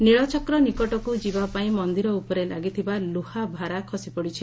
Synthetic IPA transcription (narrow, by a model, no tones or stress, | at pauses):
niɭɔt͡ʃɔkɾɔnikɔʈɔkud͡ʒibapaĩmɔnd̪iɾɔupɔɾelaɡit̪ʰibaluhabʱaɾakʰɔsipɔɽit͡ʃʰi